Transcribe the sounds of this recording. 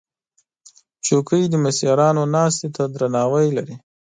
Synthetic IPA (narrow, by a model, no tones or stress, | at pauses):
t͡ʃokəjd̪əmɪsjɑɾɑnonɑst̪et̪ad̪ɾanɑwəjlaɾi